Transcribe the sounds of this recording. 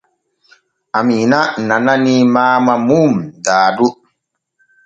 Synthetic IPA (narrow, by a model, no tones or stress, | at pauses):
aminanananimaːmamumdaːdu